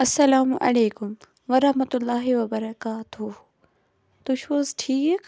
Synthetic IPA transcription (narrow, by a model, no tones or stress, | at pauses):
ɐsːɐlaːmʔɐ̰leːkʊm | ʋɐɾɐhmɐt̪ʊlːaːɦiʋɐbɐɾɐkaːt̪u | t̪uʃoːzʈʰiːkek